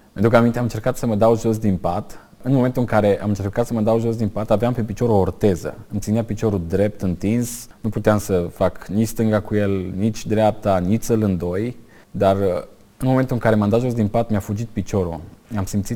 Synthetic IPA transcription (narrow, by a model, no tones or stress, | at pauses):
pent̪ɾukəamint̪eamɨnt͡ʃe̞rkat̪səməd̪awʒo̞s̬d̪inpat̪ | ɨnmome̞nt̪uɨŋkaɾe̞ʔamɨnt͡ʃe̞rkat̪səməd̪awʒos̬d̪inpat̪aveampe̞pit͡ʃo̞ɾeort̪e̞zə̰ɨmt̪sineapit͡ʃo̞ɾud̪ɾe̞p̚t̪ɨnt̪insnuput̪eamsəfaknit͡ʃst̪ɨŋɡakuje̞lnit͡ʃʲd̪ɾeap̚t̪anit͡ʃsəlɨnd̪oj | d̪ar | ɨnmome̞nt̪uɨŋkaɾe̞mand̪at̪ʒo̞s̬d̪inpat̪meafud͡ʒit̪̚pit͡ʃo̞ɾṵamsimt̪si